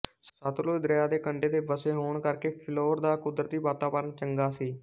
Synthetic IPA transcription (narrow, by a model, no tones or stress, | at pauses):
sət̪loːd̪ɾəjaːd̪eːkəɳɖeːd̪eːbəseːɦoːɳkəɾkeːpʰɪloːɾd̪aːkʊd̪ɾət̪iːbaːt̪aːpəɾənt͡ʃəŋɡaːsiː